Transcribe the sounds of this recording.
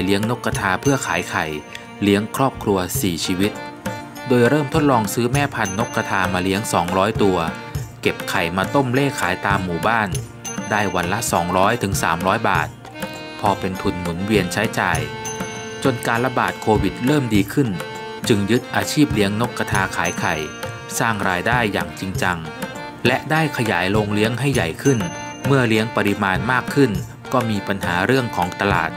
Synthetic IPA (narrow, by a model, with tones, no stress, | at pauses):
li˦˥əŋno˦˥kːa˧t̪ʰaː˧pʰɯ˥˩ɐkʰaː˩˦jkʰa˨˩j | li˦˥əŋkʰɾɔː˥˩p̚kʰɾu˧ɐsiː˨˩t͡ɕʰiː˧wi˦˥t̪̚ | doː˧jɾɤː˥˩mt̪ʰo˦˥t̪̚lɔː˧ŋsɯː˦˥mɛː˥˩pʰa˧nːo˦˥kɾa˧t̪ʰaː˧maː˧li˦˥əŋsɔː˩˦ŋɾɔː˦˥jt̪u˧ɐ | ke˨˩p̚kʰa˨˩jmaː˧t̪o˥˩mleː˥˩kʰaː˩˦jt̪aː˧mːuː˨˩baː˥˩n | daː˥˩jwa˧nla˦˥ʔsɔ̰ː˩˦ŋɾɔː˦˥jt̪ʰɯ˩˦ŋsa̰ː˩˦mɾɔː˦˥jba̰ː˨˩t̪̚ | pʰɔː˧pe˧nt̪ʰu˧˩nmu˩˦nwi˧ənt͡ɕʰa˦˥jt͡ɕa̰ː˧j | t͡ɕo˧nkaː˧nla˧ba̰ː˨˩t̪̚kʰoː˧wi˨˩t̪̚ɾɤː˥˩mdiː˧kʰɯ˥˩n | t͡ɕɯ˧ŋjɯ˦˥t̪̚ʔaː˧t͡ɕʰiː˥˩p̚li˦˥əŋno˦˥kːa˧t̪ʰaː˧kʰaː˩˦jkʰa˨˩j | saː˥˩ŋɾaː˧jdaː˥˩jːa̰ː˨˩ŋt͡ɕi˧ŋt͡ɕa˧ŋ | lɛ˦˥ʔdaː˥˩jkʰa˧jaː˩˦jloː˧ŋli˦˥əŋɦa˥˩jːa˨˩jkʰɯ˥˩n | mɯ˥˩ɐli˦˥əŋpa˧ɾi˧˥maː˧nmaː˥˩kʰːɯ˥˩n | kɔː˥˩miː˧pa˧nɦaː˩˦ɾɯ˥˩əŋkʰɔː˩˦ŋt̪a˧la̰ː˨˩t̪̚